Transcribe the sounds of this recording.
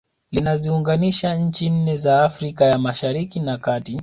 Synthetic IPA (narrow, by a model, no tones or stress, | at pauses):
linaziuŋɡaniʃaɲ̩t͡ʃin̩nɛzaːfɾikajamaʃaɾikinakati